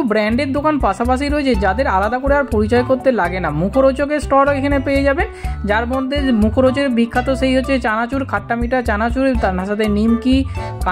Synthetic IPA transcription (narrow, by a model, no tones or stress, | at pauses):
ubɾɛɳɖeɾd̪okanpaʃapaʃ̬iɾoet͡ɕʰed͡ʑad̪eɾalad̪akoɾeaɾpoɾit͡ɕɔekoɾt̪elaɡenamukʰoɾot͡ɕokesʈɔɾekʰanepejed͡ʑabed͡ʑaɾmɔd̪ʱːemukʰoɾot͡ɕeɾbʱikʰːat̪oʃejɦotːɕʰet͡ɕanat͡ɕuɾkʰaʈːamiʈaɾt͡ɕanat͡ɕuɾt̪anaʃat̪enimkika